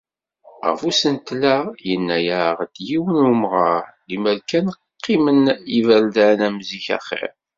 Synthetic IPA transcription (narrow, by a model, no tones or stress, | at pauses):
ʁə̰fusənt̪læjənːæjaʁd̪jiwənumʁɑliməlkæn | qʰːimənivæld̪ænæmziçæ̰χḭɾ